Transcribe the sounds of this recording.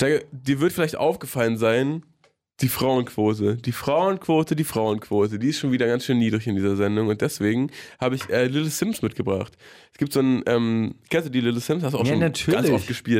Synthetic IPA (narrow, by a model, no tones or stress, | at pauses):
z̥aɪɡəd̥iːɐvɪɐtəfɪlaɪçtʔa̰ʊfɡ̥əfalənzaɪn | d̥iːfʁ̥aʊənkv̥oːtəd̥iːfʁ̥aʊənkʰv̥oːtədiːfʁ̥aʊənkv̥oːtədiːɪstʃoːnviːdɐɡansʃøːnːiːdʁɪçɪndiːzɐzɛndʊŋʊntd̥ɛsv̥eːɡŋ̩haːbəɪçʔɛːlɪləsɪmsmɪtɡ̥əbʁa̰χt | ɛsɡ̥iːp̚tz̥oːnʔɛːmɪkɛnsduːdilɪləsɪmshastuːaʊʃooːntʰːɡant͡sʔɔft̚ɡ̥əʃpiːlt